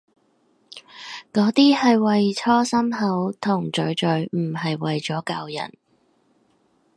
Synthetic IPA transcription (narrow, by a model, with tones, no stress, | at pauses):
kɔː˨˥t̪iː˥hɐ˨jwɐ˨jt͡sʰɔː˥sɐ˥mɦɐ˨˥wt̪ʰʊ˨˩ŋt͡ʃɵ˨˧ɥt͡ʃɵ˨ɥm̩˨˩ɦɐ˨jwɐ˨jt͡ʃɔː˨˥kɐ˧wjɐ̰˨˩n